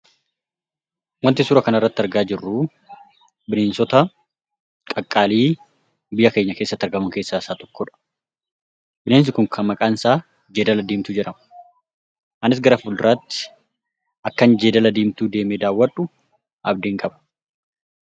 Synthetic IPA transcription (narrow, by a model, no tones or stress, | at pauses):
wɐnt̪ːɪsʊːɾɐkɐnɐrːɐt̪ːɐɾɡaːd͡ʒɪrːu | bɪneːnsɔt̪ɐ | kʼɐkʼːaːliː | bɪjɐke̞ːɲːɐkeːsːɐt̪ːɐɾɡɐmɐŋke̞ːsːaːɪsaːt̪ɔ̥kːɔᶑɐ̥ | bɪneːns̬ɪkʊŋkʰɐmːɐkʼaːnsaː | d͡ʒe̞ːd̪ɐlɐd̪eːmt̪ʊd͡ʒɛᶑɐm | hɐnɪs̬ɡɐɾɐfʊld̪ɪɾaːt̪ːɪ̥ | ʔɐkːɐnd͡ʒe̞ːd̪ɐlɐd̪eːmt̪uːd̪e̞ːmeːd̪aːwːɐᶑːʊ | ʔɐb̚d̪eːŋkʼɐbɐ̥